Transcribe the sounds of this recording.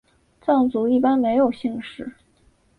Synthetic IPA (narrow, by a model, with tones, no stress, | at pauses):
t͡sɑ˥˩ŋt͡su˧˥i˥˩pa˥nme˧˥ɪjo˨˩ʊɕi˥˧ŋʂɻ̩˥˩